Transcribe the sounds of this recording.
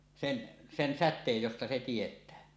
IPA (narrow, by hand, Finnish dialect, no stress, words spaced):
sen sen sætˑeːj jostɑ se tietˑæː